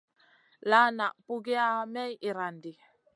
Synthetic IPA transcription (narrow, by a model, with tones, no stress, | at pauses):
la˦na˨ʔpu˦ɡe˦a˦mɛ˦ji˨ɾa˨ndi˨